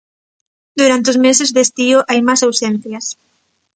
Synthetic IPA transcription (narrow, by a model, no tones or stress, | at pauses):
d̪uɾant̪eozmesezðest̪iʊʔajmasawsen̟θjɐs